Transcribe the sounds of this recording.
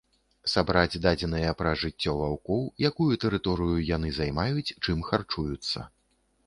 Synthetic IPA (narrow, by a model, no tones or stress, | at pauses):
sabɾad͡zʲd̪ad͡zʲɛnɐjɐpɾɐʐɨt͡sʲːɔvawkɔwjakujut̪ɛɾɨt̪ɔɾɨjujan̪ɨzajmajut͡sʲt͡ʂɨmxart͡ʂujut̪sːɐ̰